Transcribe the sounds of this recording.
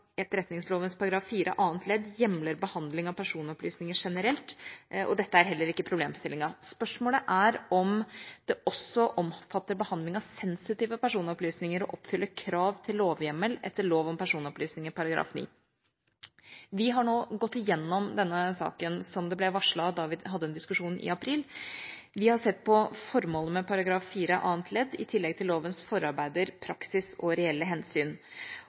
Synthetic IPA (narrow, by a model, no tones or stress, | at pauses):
ɛt̪ɾɛt̪nɪŋsloːʋənspʰɑɾɑɡɾɑːfːiːɾʔə̰ʔɑːnt̪ʰlɛd̪jɛmləɾbəhɑnd̪lɪŋɑpʰæʂuːnɔplyːsnɪŋəʂɛnəɾɛlt̪ɔ̰d̪ɛt̪ːəæɾɦɛlːəɾɪkːəpʰɾʊbleːmst̪ɪlːɪŋɑspœʂmoːləʔæɾɔmd̪̥ɛʔɔsɔʔɔmfɑt̪ːəɾbəhɑnd̪lɪŋɑʋsɛnsɪt̪iːʋəpæʂuːnɔplyːsnɪŋəɾɔ̰ʔɔpːfʏlːəkʰɾɑːʋt̪ʰɪlːoːʋjɛmːəlɛ̰t̪ːəɭoːʋɔmpʰæʂuːnɔplyːsnɪŋəpʰɑɾɑɡɾɑ̰ːfnḭː | ʋɪɦɑɳoːɡɔt̪ːɪjɛnːɔmd̪ɛnːəsɑ̰ːkənsɔmd̪ɛblɛʋɑʂɭɑd̪ɑʋɪɦɑd̪ːəɛnd̪ɪskʉʂuːnʔɪ̰ɑpʰɾiːl | ʋɪhɑʂɛt̪ːpʰɔfɔɾmoːləəmɛpʰɑɾɑɡɾɑːfːiːɾəʔɑ̰ːənt̪ʰlɛd̪ːɪt̪ʰɪlːɛɡ̚t̪ʰɪlːoːʋənsfɔɾɑɾbæɪd̪əɾpʰɾɑksɪsɔɾɛɛlːəɦɛnsyːn